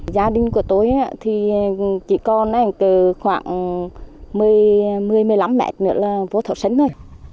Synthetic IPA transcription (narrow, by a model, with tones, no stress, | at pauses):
zaː˧ɗï˧ŋ̟ku˧˩ət̪o˧jʔaː˧˦t̪ʰi˨˩t͡ɕḭ˧˩kɔ˧nʔɛ˧˩ŋkɨː˧˩xwaː˧˩ŋ | mɨ˨˩əjmɨ˨˩əjmɨ˨˩əjla˨˦mːɛ̰˧˥t̚nɨ̰˧˥əlaː˨˩vo˧˦t̪ʰə̰˨˧˩sə˨˧˦ŋ̟zə˧˩j